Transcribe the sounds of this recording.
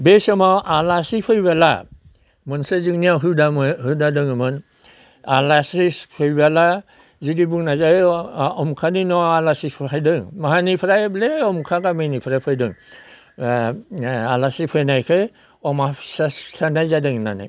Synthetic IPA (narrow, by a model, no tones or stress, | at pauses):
besɯmawʔalasipʰɯjbala̰ | mɯnsɯzɯŋnijaɦɯdahɯdadɯŋɯmɯn | alasispʰɯjbala | zidibuŋnazaɔmkʰaninɔalasispʰajdɯŋmaɦanipʰɾajbleɔmkʰaɡamɯnipʰɾajpʰɯjdɯŋ | alasipʰɯjnajkʰɯ | ɔmasasɬʰanajzadɯŋna̰na̰j